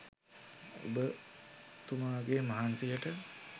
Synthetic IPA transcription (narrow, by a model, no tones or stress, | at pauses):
o̰bə | t̪umaːɡemaɦansejəʈə